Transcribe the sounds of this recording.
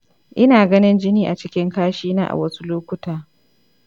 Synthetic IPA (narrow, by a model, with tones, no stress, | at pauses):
ʔɪ˦naː˨ɡɐ˦nɪ˦nd͡ʒɪ˦niː˨ʔa˨t͡ʃɪ˦kʲɪ˦ŋkaː˦ʃiː˦na̰ː˦ʔa̰˨wɐ˦su˦loː˦kʷʊ˦taː˨